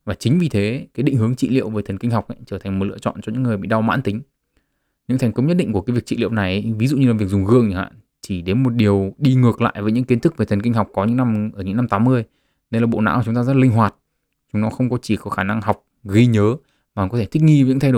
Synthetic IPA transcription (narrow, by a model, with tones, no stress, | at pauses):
vaː˨˩t͡ɕï˨˦ŋ̟vi˨˩t̪ʰe˨˦kaː˨˦jɗï˧˨ŋ̟ɦɨ˨˦əŋt͡ɕḭ˧˨lḭ˧ə˨wveː˨˩jt̪ʰə˨˩nkï˧ŋ̟ɦa˨˩wk͡p̚ʔa˧˦t͡ɕəː˧˩t̪ʰa˨˩ŋ̟m˨˩t̚ɨ̰˧˨ət͡ɕɔ̰˧˨nt͡ɕɔ˧ɲɨ̰ː˧˥ɨ˨˩əjɓḭ˧˨ɗa˧wma̰ː˧˥nt̪ï˨˦ŋ̟ | ɲɨ̰˧˥ŋt̪ʰŋ̟kə˨˦wɲə˥t̚ɗḭ˧ŋ̟ku˧˩kaː˨˦jvət͡ɕḭ˧˨lḭ˧˨wna˨˩jvi˨˦zṵ˧˨ɲɨ˧laː˨˩vək̚zʊ˨˩ŋ͡mɣɨ̰˧˨əŋ˧˨˩ha̰ː˧˨n | t͡ɕi˧˩ɗe˨˦nmo˨˩t̚ɗi˨˩əwɗi˧ŋɨ˨˩ək̚la̰ː˧˨jvəː˨˦jɲɨ̰˧˥ŋki˨˦nt̪ʰɨ˦˥k̚ve˨˩t̪ə˨˩nki˧ŋ̟ɦa˨˩wk͡p̚kɔ˨˦ɲɨ̰˧˥ŋna˧mʔəː˧˩ɲɨ̰˧˥ŋna˧mt̪aː˨˦mːɨ˧əj | ɗə˧jlaː˨˩ɓo̰˧˨na̰˧˥wt͡ɕʊ˨˦ŋ͡mt̪aː˧zə˦˥t̚lï˧ŋ̟ɦwaː˨˩t̚ | t͡ɕʊ˨˦ŋ͡mnɔ˨˦xə˧wŋ͡mkɔ˨˦t͡ɕi˧˩kɔ˨˦xaː˧˩na˧ŋha˨˩wk͡p̚ɣi˧ɲəː˨˦ | maː˨˩kɔ˨˦t̪ʰe˧˩t̪ï˦˥k̟̚ŋi˧vɲɨ̰˧˥t̪ʰa˧jo˧˩